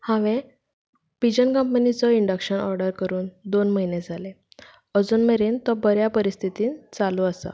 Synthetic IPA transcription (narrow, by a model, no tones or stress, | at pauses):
hãʋẽ | pid͡ʑənkəmpnit͡sɔiɳɖəkɕənɔ̰ɾɖəɾkəɾuːnd̪onməɦined͡zʱale | əd͡zuːnmeɾiːnt̪ɔbəɾjapəɾist̪ʰit̪iːnt͡saluəsa̰